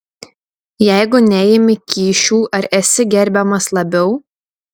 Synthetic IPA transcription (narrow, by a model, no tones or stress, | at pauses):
jɛˑɪɡʊnʲɛjɪmʲɪkʲiːʃʲuːʔɐɾɛsʲɪɡʲɛɾʲbʲɛmɐslˠɐbʲɛʊ